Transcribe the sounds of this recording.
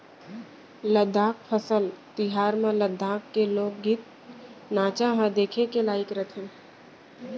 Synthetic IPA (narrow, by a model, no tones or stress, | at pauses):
ləd̪ʱaːk̚pʰəsəlt̪ɪɦaːɾmãləd̪ʱːaːkːeloːɡ̚ːit̪̚ | naːt͡ʃaɦãd̪eːkʰekelaːɪkɾət̪ʰẽ